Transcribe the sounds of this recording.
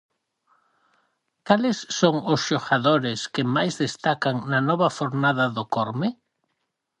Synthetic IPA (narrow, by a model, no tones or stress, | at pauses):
kalɪsːoŋʊsʃoɣaðoɾɪskɪmajzðest̪akaŋnɐnɔβɐfoɾnaðɐðokoɾmɪ